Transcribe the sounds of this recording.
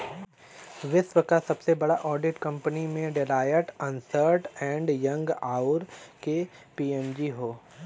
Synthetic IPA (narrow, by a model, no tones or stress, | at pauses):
ʋɪʃʋəkasɐbsebɐɽaʔɔːɖɪʈkɐ̃mpənimẽɖɪlaːjəʈə̃nsəɾʈɛ̃ːɳɖjɐ̃ŋɡaːʊɾkepiːɛmd͡ʒiɦoː